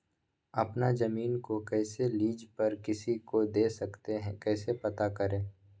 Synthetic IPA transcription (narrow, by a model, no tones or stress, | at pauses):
ɐpnazɐmiːnkokɛːseliːd͡ʒpɐɾkɪsikod̪eːsɐkt̪eɦɛ̃kɛːsepɐt̪akɐɾẽː